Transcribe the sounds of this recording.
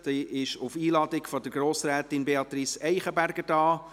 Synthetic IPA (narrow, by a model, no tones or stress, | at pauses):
təɪʃʊfiːlɑːdɪkfɔdəɾɡɾoːsɾɛːtɪnbeɑt̪ɾisɛɪχəbæɾɡəd̥ɑː